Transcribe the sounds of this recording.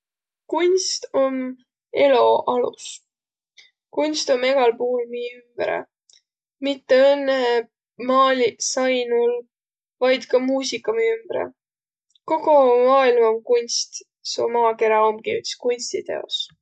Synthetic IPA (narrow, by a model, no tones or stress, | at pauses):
kunʲst̪o̞m | e̞loʔɑlṵs | kunʲst̪o̞me̞ɡ̥ɑlpuhulmiːymb̥ɾḛ | mit̪ːeɤnːe | mɑːlʲisɑjnul | vɑjd̪̥kɑmuːsikːɑmiymb̥ɾḛ | ko̞ɡ̥omɑːilmɑomkunʲst̪ | so̰mɑːke̞ɾɑo̞mkiyt̪skunʲsʲt̪it̪e̞̰o̞̰s